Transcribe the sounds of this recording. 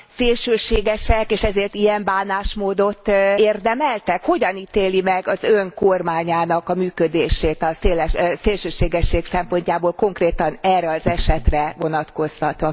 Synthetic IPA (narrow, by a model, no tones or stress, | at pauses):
seːlʃøːʃeːɡɛʃɛkeːʃɛzeːrt̪ijɛmbaːnaːʃmoːd̪o̞t̪ːeːrd̪ɛmɛlt̪ɛkho̞ɟɒnit̪eːlimɛɡɒzøŋko̞rmaːɲaːnɒkɒmyːkød̪eːʃeːt̪ɒseːlɛʃseːlʃøːʃeːɡɛʃːeːksɛmpo̞ɲcaːboːlko̞ŋkreːt̪ɒnɛːrːɛɒzɛʃɛt̪rɛvo̞nɒt̪ko̞st̪ɒt̪ʋɒ